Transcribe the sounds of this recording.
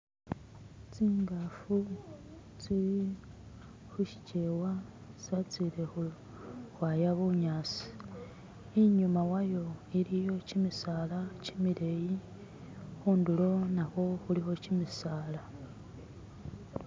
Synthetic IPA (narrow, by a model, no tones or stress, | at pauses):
t͡siːŋɡafu | t͡siɾi | xuʃi̥ce̞wasat͡siɾe̞xu | xwajaβuɲaːsi̥ | iɲumawajo̞iɾijo̞cimisalacimiɾeji | xuːndulo̞naxo̞xulixo̞cimisaːla